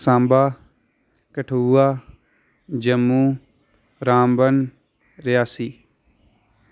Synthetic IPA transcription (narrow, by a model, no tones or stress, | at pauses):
sãːmbaː | kəʈʰuːaː | d͡ʒəmːũː | ɾãːmbən | ɾɪjaːsiː